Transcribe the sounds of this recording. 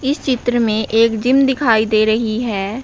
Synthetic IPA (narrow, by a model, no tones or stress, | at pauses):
ɪst͡ʃɪt̪ɾəmẽʔeːkd͡ʒɪmd̪ɪkʰaːid̪eːɾəɦiɦɛː